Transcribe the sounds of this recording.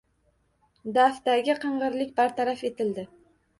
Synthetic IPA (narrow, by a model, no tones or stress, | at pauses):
d̪aft̪aɡʲɪqʰɨɴʁɨɾlɪkʲbaɾt̪ʰaɾafe̞t̪ʰɪld̪ɪ